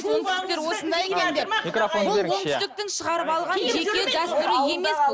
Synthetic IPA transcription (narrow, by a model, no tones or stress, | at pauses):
bolˠt̪ɪsk̚t̪e̞ɾwo̞sənd̪ɑjekʲend̪eɾmikfonlˠt̪st̪ɪk̚t̪ɪŋʃəʁɑɾəpɑlˠʁɑnʒe̞kʲe̞d̪ɑst̪ʏɾɪje̞me̞sb